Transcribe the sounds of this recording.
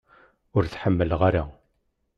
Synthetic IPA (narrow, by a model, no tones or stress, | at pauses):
ʊɾθħəmːəlʁaɾa